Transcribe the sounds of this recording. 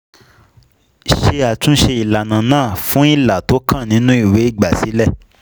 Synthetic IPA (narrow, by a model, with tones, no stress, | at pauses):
ʃe˧a˨tũ˦ʃe˧i˨la˨nã˨nãː˦˨fũ˦i˦˨la˨to˨˦kʰã˦˨nĩ˨˦nũ˦i˦˨we˨˦i˦˨ɡ͡ba˨si˨˦lɛ˦˨